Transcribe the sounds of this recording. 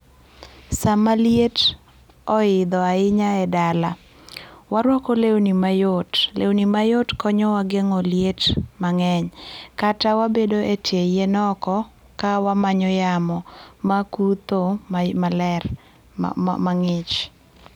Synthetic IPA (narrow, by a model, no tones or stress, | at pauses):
samaljet | ɔɪd̪ɔaɪɲaɛdala | waɾwɔkɔlewnimajotlḛwnimajotkɔɲɔwaɡeŋɔljetmaŋɛɲkatawabedoʔetjejenɔkɔ | kawamaɲɔjamɔmakut̪omalɛr̰ | maŋɪt͡ʃ